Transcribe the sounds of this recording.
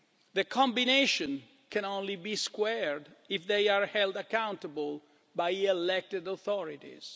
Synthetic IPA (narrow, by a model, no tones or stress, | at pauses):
ðəkʰɔ̃mbineʃɔ̃n | kʰɛ̃nõnlibiskwɛɹd̪ɪfðejaɹhɛld̪akãw̃nt̪əbəl | bajɛlɛk̚tɪdɔθɔɹitḭz̥